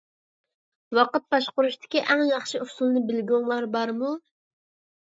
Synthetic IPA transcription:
wɑqət̪̚bɑʃqʊɾuʃt̪ʰɪ̥kʲiʔɛŋjɑχʃiusulˠnɨbɪlɡʲoŋlˠɑɾbɑɾmu

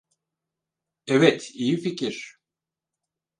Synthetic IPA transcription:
ɛvɛt̪ʰijificiɾ̥

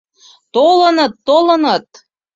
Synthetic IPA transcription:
t̪olɤ̆nɤ̆t̪ːolɤ̆nɤ̆t̪̚

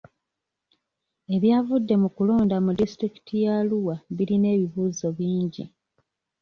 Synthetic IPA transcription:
e̞βjaːvudːe̞mukulo̞ːndamudistɾiki̥tʰijaluwaβiɾine̞ːβiβuːzo̞βiːɲɟḭ

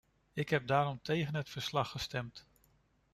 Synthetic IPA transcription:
ɪkɦɛp̚daːɾɔmtʰejχənɦətfəɹslɑχːəstɛmt

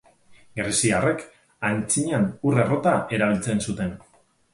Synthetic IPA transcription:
ɡɾesiare̞k | ant͡siɲanure̞rot̪ae̞ɾaβ̞ilt͡se̞nsut̪e̞n

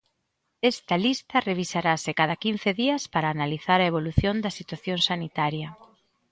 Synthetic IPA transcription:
ɛst̪ɐlist̪ɐreβ̞isaɾasɪkað̞ɐkin̟θeðiɐspaɾaːnaliθaɾɐeβoluθjond̪ɐsit̪waθjoŋsanit̪aɾjɐ

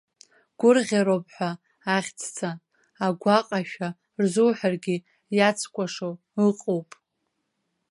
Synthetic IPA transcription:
ɡ̥ʷʊrʁʲaɾowpʼħʷᶣaː | χʲt͡sʰt͡sʰaː | ɡʷaqʼaʃᶣa | rzuwħarɡʲɪ | jat͡sʰkʷʼaʂo | ɨqʼowpʼ

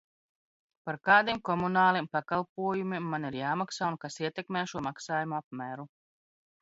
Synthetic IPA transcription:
paɾkaːd̪imkɔmunaːlˠimpakalˠpuɔjumʲimːaniɾjaːmaksaːunkasiɛt̪ɛkmɛːʃuɔmaksaːjumuap̚mæːɾu

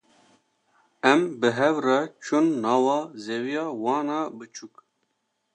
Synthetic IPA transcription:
ɛmbɨɦɛvrɑt͡ʃʰunːɑːwɑːzewijɑːwɑːnɑːbɨt͡ʃʰuk̚

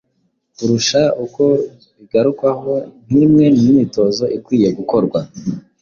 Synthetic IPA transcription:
uɾuʃauko̞ | iɡaɾukwaho̞n̥imŋe̞nijimito̞zo̞ʔikwiːje̞ɡuko̞ɾɡwa

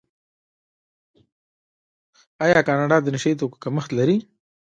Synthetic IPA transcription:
ɑjɑkɑnɑɖɑd̪ənɪʃait̪oko̥kaməxt̪laɾi

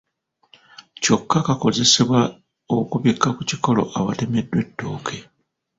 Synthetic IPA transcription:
co̞kːakako̞ze̞se̞βwa | okuβikːakuciko̞lo̞̰ʔaβate̞me̞dːwe̞tːo̞ːkʰe̞

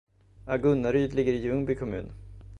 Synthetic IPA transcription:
aɡɵnːaɾyːd̪lɪɡːəɾɪjɵŋbɪkʰɔmʉ̟̰ːn

